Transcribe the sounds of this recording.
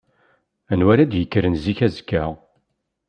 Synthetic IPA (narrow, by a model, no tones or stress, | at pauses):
ænwæɾæd̪jəkːɾənziçæzkːæʁ